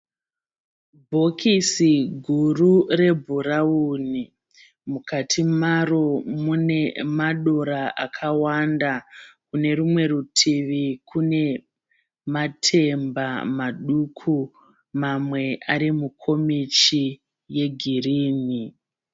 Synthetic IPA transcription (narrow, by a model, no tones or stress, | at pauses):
bʱo̞kʰisiɡʱurure̞bʱuɾauni | mukatʰimaromune̞maɗo̞ɾaʔakʰawandakune̞rumwe̞rutʰiʋikʰune̞ | matʰe̞mbamaɗukʰu | mamwe̞aɾimukʰo̞mit͡ʃi | je̞ɡʱiriːni